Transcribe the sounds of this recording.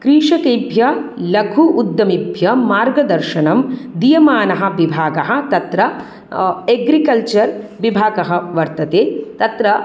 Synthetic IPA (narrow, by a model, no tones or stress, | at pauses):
kɾiːʂɐkejbʱjɐlɐɡʰʱuʔud̪ːɐmibʱjɐmaːɾɡɐd̪ɐɾʃɐnɐmd̪ijɐmaːnɐɦɐ̆ʋibʱaːɡɐɦɐ̆t̪ɐt̪ɾɐ | eɡɾikɐlt͡ʃɐɾʋibʱaːɡɐɦɐ̆ʋɐɾt̪ɐt̪eːt̪ɐt̪ɾɐ